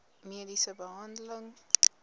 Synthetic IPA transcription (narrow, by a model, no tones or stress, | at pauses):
miədisəbəɦɐndələŋ